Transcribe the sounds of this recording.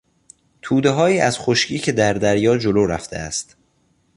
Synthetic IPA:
t̪ʰuːd̪eɦɒːiːæz̥χoʃcʰiːcʰe̞d̪æɾd̪æɾjɒːd͡ʒoloːɾæ̰ft̪ʰe̞̰æ̰st̪

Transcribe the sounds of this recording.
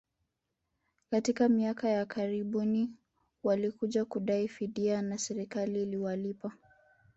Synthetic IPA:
katikamiakajakaɾiɓuni | walikuʄakuɗaifiɗianasɛɾikaliːliwalipa

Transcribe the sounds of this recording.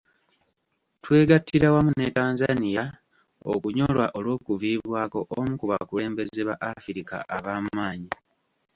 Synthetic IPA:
twe̞ːɡatːiɾawamune̞taːnzanija | o̰kuɲo̞lwaʔo̞lwo̞ːkuviːβwaːko̞ʔomukuβa̰kule̞ːmbe̞zeβaʔafiɾika̰ʔaβaːmaːɲi

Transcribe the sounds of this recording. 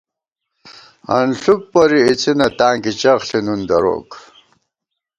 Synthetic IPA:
ɐ̰nɬuk̚pɐɾiit͡sinɐt̪aːŋkit͡ɕɐχɬinund̪ɐɾo̰ːk

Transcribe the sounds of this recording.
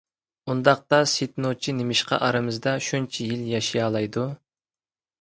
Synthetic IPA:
und̪ɑq̚t̪ɑset̪not͡ʃʰinemɪʃqʰɑ̰ʔɑɾɨmɨzd̪ɑʃunt͡ʃʰijiljɑʃijɑːlˠɑjd̪u

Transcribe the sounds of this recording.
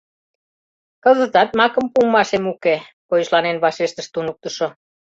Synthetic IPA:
kə̆zə̆t̪ɑt̪̚mɑkə̆mpumːɑʃemuke | kojəʃlɑnenβɑʃeʃt̪ə̆ʃt̪unuk̚t̪ə̆ʃo

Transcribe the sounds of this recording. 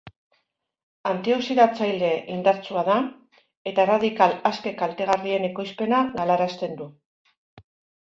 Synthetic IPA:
ant̪io̞siɾat͡sajld̪e̞ʔind̪aɾt͡suað̞a | e̞t̪araðikalaske̞kalt̪e̞ɣ̞arie̞ne̞ko̞jspe̞naɣalaɾast̪e̞nd̪u

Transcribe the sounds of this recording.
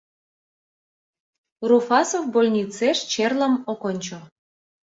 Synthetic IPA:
rufɑsofbolʲnʲit͡seʃt͡ɕerlə̆mokonʲt͡ɕŏ

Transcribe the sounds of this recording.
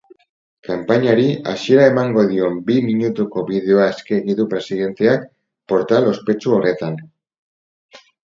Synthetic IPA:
kampaɲaɾiasie̞ɾae̞maŋɡo̞ð̞io̞mbimiɲut̪uko̞βiðeo̞aeskeːɣiðupɾe̞sið̞e̞nt̪e̞ak | po̞ɾt̪alo̞spe̞t͡ʃuo̞re̞t̪an

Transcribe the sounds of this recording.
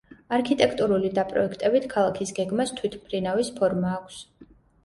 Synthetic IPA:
aɾkʰit̪ʼɛkʰt̪ʼuɾulid̪apʼɾɔ̰ɛkʰt̪ʼɛbit̪ʰkʰalˠakʰisɡɛɡmast̪ʰwit̪ʰpʰɾinavispʰɔɾmaːkʷʰs

